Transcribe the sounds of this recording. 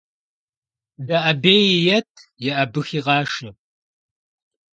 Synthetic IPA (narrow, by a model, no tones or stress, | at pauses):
dɐʔɐbeːjɪjɐtʰjɛʔɐbɨxiːʁɑːʃɨ